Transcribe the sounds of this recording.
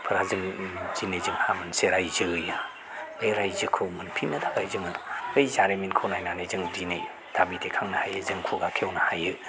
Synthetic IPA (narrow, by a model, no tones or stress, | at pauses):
pʰɯɾazɯŋzinejzɯŋhamɯnseɾajzɯja | ejɾajzɯkʰɯwmɯnpʰinɯdʰabajzɯŋɯɯjzaɾeminkʰɯwnajnanɯjzɯŋdinej | d̥abidekʰaŋnɐhajɯzɯŋkʰuɡakʰewnahajɯ